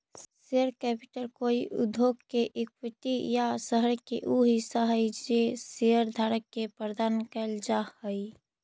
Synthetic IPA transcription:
seəɾkɛpɪʈəlkoːiʔʊ̰d̪ʱoːɡkeʔɪk̚pɪt̪ijasəɦəɾkḛʔuɦisəɦəjd͡ʒeseəɾd̪ʱaːɾəkːepɾɾəd̪aːnkəld͡ʒahəi

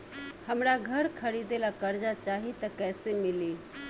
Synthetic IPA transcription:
həmɾaɡʱəɾkʰəɾid̪elakəɾd͡ʒat͡ʃaɦit̪əkɛjsemili

